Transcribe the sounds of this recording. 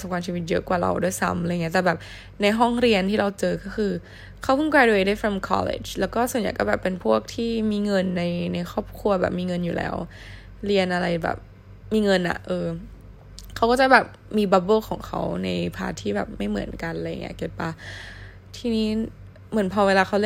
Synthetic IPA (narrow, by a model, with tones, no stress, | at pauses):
sa˨˦kʰaː˧mt͡ɕiː˧wi˦t̪̚jɤ̰˦˥ʔkwaː˨˩ɾa̰˧wdu˥˩əjsa̰˦˥mla˧jŋi˦˥t̪ːbɛː˨˩p̚ | na˧jɦɔ˥˩ŋɾi˧ənt̪ʰiː˥˩ɾa˧wt͡ɕɤː˧kɔː˥˩xʰɯː˧ | kʰa˦˥wpʰɯ˥˩ŋkwaː˧jduː˧˨˧daː˥˩fɾa˧mkʰɔ̰˦˧lḛ˨˩t͡ɕlɛː˦˥wkɔː˥˩su˨˩˦nja˨˩jkɔ˥˩bɛː˨˩pːe˧npʰu˥˩ək̚t̪ʰiː˥˩miː˧ŋɤ˧nːa˧jna˧jxʰɔː˥˩p̚kʰu˧ɐbɛ̰˨˩p̚miː˧ŋɤ˧njuː˨˩lɛ̰ː˦˥w | ɾi˧ənʔa˧ɾa˧jbɛ̰ː˨˩p̚ | miː˧ŋɤ˧nʔa̰˨˩ʔɤː˧ | kʰa˦wkɔː˥˩t͡ɕa˨˩bɛː˨˩p̚ | miː˧ba˦˥bɤː˥˩˨kʰɔː˩˦ŋkʰa̰˦˥wna˧jpʰa̰ː˧t̪ʰiː˥˩bɛ̰ː˨˩p̚ma˥˩jmɯ̰˨˩˦ənka˧nla˧ja̰˨˩ŋʔi˦˥ɐ˩ke˨˩p̚ːa˧ | t̪ʰiː˧˩niː˦˥˩ | mɯ˩˦npʰɔː˧weː˧laː˧kʰa˦˥wl